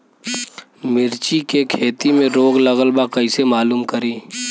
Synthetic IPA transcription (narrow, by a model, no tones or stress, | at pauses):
mɪɾt͡ʃikekʰeːt̪imẽɾoːɡlɐɣəlbakɐisemaːluːmkɐɾiː